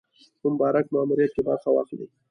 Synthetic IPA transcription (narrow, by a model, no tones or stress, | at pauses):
mʊmbɑɾak̚mɑːmuɾijat̪̚kebaɾxawɑ̰xlḭ